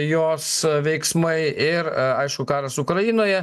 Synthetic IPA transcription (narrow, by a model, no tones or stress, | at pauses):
joːsʋʲɛɪksmɐɪɪɾɐɪʃkʊkɑːɾɐsʊkɾɐjɪnoːjɛ